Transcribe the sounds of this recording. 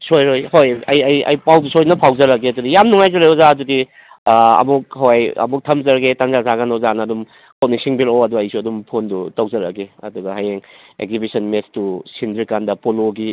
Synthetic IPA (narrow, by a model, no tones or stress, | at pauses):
sojɾojhojɐjɐjɐ̰jpawdusojnɐpʰawzɐɾɐk̬eɐdudijamnuŋajzɐɾajozaːdudi | ɐ̰muk̚ɦawajɐ̰muk̚tʰɐmzɐɾɐɡetaŋzasaɡanowzanɐːdum | kowniksiŋbiɾoɐduɐjsuɐdumpʰondutɐwzɐɾɐ̰keɐ̰duɡɐɦajeŋ | ḛk̚zibisɐnmestusindiɾkandɐpoloɡi